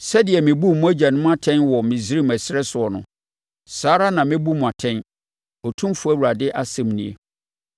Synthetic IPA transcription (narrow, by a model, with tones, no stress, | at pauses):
sɛ˦dɪ˨ɛ˨mɪ̃˨bu˦˨mʊ̃˦æ˦d͡ʑa˨nʊ̃˦m̃˦a˦tʰɛ̃˦nwɔ˨mɪ̃˨zi˦ɾi˦mæ˨sɪ˦ɾɛ˦sʊ˨ɔ˨nʊ̰̃˨ | saː˨˦ɾa˦nã˨mɪ̃˦bu˦mʊ̃˨a˨tʰɛ̃˦n | ɔ˨tʰũ˦mfu˦æ˦wu˨ɾa˨dɪ˦ʔa˦sɛ̃˦˨mnḭ̃˨ḛ˨